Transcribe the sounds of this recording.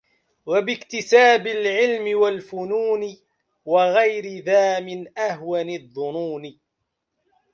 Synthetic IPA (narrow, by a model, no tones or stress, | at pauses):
wabɪkt̪ɪsaːbɪlʕɪlmɪwalfʊnuːnɪ | waɣajɾɪðaːmɪnʔahwanɪðˤːʊnuːnɪ